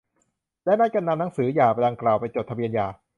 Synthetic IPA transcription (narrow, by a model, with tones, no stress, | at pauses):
lɛ˦˥˩naː˦˥˩jka˧nːa˧mna˦ŋsɯː˩˦jaː˨˩pa˧jda˧ŋklaː˨˩wpa˧jt͡ɕo˨˩t̪ʰa˧bi˧ənjaː˨˩